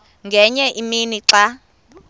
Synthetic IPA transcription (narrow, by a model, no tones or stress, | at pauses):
ŋɡʱɛɲɛʔiminiǁa